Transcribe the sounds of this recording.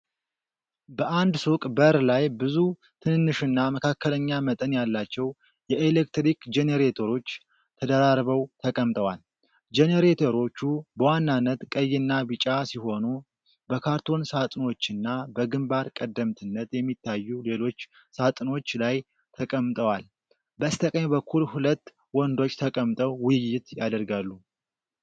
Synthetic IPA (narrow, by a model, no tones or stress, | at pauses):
bəʔand̪sukʼbəɾlajbɨzu | t̪ʰɨnɨnːɨʃɨnːaməkʰakʰːələɲːamət̪ʼənjalːat͡ʃːɛw | jɛʔelekt̪ɾikd͡ʒeneɾet̪ʰo̞ɾo̞t͡ʃː | t̪ʰəd̪əɾaɾβəwt̪ʰəkʼəmt̪ʼəwal | d͡ʒeneɾet̪ʰoɾo̞t͡ʃːubəwanːanːət̪kʼəjːɪnːaβɨt͡ʃʼasiho̞nu | bəkʰaɾt̪ʰo̞nsat̪ʼno̞t͡ʃːɪnːabəɡɨmbaɾkʼəd̪ːəmt̪ʰɨnːət̪jɛmːit̪ːajːule̞lo̞t͡ʃː | sat̪ʼno̞t͡ʃːlaj | t̪ʰəkʼəmːt̪ʼəwal | bəst̪ʰəkʼəɲbəkʰːulhulət̪ː | wɔnd̪o̞t͡ʃːt̪ʰəkʼəmt̪ʼəwwʊjɪjːɪt̪jad̪əɾɡalːu